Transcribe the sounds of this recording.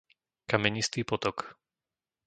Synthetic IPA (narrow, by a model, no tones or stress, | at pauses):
kamɛɲist̪iːpɔt̪ɔk